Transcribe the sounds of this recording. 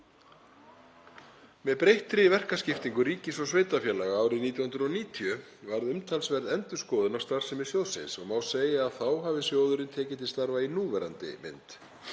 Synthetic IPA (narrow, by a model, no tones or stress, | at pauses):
mɛðpɾejht̪ɾɪvɛr̥kascɪft̪iŋkʏɾiːcɪsɔsveːjt̪afjɛːlaɣaaːwɾɪðniːt̪jawhʏnɾʏðɔniːt̪ʰijʏvaɾðʏmt̪ʰalsvɛɾðɛnt̪ʏ̥skɔːðʏnawst̪aɾ̥sɛmɪðsjowsɪ̰nsɔmaːwseːjaːðθawɦavɪsjoːwðʏɾɪnt̪ʰɛːcɪt̪ɪst̪aɾvainuːvɛɾa̰nt̪ɪ̰mɪ̰nt̪